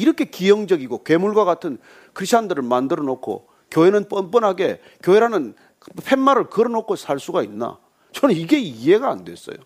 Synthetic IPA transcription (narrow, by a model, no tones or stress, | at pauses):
iɾʌkʰe̞kijʌŋd͡ʑʌɡiɡokwe̞muɭɡwaɣatʰɯn | kʰɯɾiɕʰt͡ɕʰandɯɾɯɭmandɯɾʌnokʰo̰ | kjoenɯnp͈ʌnp͈ʌnɦaɡe̞̰ | kjoeɾanɯn | pʰe̞nmaɾɯɭkɯɾʌnokʰosʰaɭs͈uɡainːa̰ | t͡ɕʌnɯniɡe̞ie̞ɡa̰ːndwe̞s͈ʌ̰jo